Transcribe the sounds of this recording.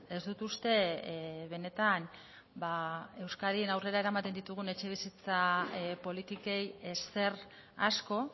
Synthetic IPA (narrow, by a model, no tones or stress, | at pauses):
e̞zd̪ut̪ust̪e̞βe̞ne̞t̪an | bae̞wskaðie̞nawre̞ɾae̞ɾamat̪e̞nd̪it̪uɣ̞une̞t͡ʃe̞βisit͡sapo̞lit̪ike̞jese̞r | asko̞